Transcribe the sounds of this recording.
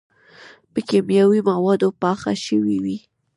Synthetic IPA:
pəkemjawimawɑd̪opɑxa̰ʃəwiwi

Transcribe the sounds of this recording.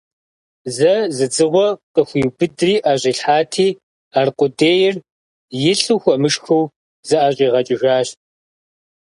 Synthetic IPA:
zɐzɨd͡zɨʁʷɔqʼəxʷijwbɨdriːʔaːʑʼiːɬħaːtʰiː | aːrqʷʊdeːjɪr | jɪɬuxʷɔmɨʂxɐw | zɐʔaɕʼiːʁɐt͡ʃʼɪʒaːɕ

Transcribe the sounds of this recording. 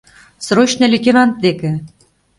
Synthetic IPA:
sroɕnʲɤ̆lʲit̪ʲeɾɑnt̪̚d̪ekɘ̆

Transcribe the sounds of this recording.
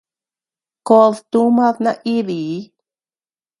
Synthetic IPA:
koðt̪umaðnaʔiði

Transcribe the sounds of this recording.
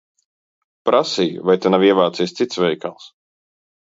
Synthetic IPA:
pɾʔasij̰vajt̪enaviɛvaːt̪siːst̪sit̪svɛjkalˠs

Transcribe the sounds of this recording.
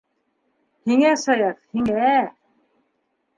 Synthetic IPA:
hiŋæsɑjɑqhiŋæ

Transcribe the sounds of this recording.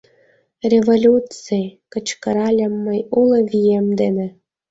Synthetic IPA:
rʲevolʲut͡sejkə̆t͡ɕkə̆ɾɑlʲəmːəjulɤ̆vʲijemd̪enĕ

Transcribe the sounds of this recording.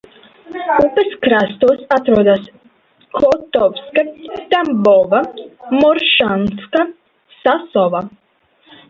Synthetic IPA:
upɐskɾast̪uɔsat̪ɾuɔd̪as | kʰɔt̪ɔvskat̪ambɔvamɔɾʃanska | sasɔva

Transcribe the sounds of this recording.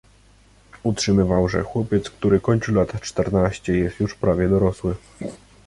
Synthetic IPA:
utʂɘmɘvawʐɛ̰xwɔpʲjɛt̪skt̪uɾɘkɔɲt͡ɕulat̪t͡ʂt̪ɛɾnaɕt͡ɕɛjɛst̪juʂpɾavʲjɛd̪ɔɾɔswɘ

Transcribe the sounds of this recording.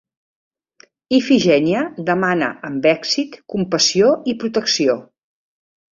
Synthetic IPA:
ifiʒɛniəd̪əmanə̰ːmbɛksit̪kumpəsioipɾut̪əksio

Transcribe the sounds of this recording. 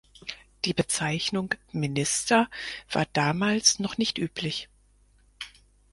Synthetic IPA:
d̥iːbət͡saɪçnʊŋmɪnɪstɐv̥aːɐd̥aːmaːlsnɔχnɪçtʔyːpʰlɪç

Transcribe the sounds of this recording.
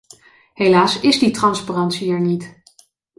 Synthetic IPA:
ɦejlaːsɪzditrɑnsparɑntsiɛɹnit

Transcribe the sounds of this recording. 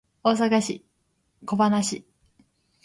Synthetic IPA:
o̞ːs̬akaɕḭ | ko̞banaɕi

